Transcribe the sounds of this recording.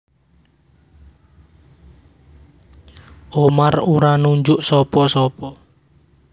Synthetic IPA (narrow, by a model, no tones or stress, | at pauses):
ʔomaruɾanuɲd͡ʒʊʔsɔpɔsɔpɔ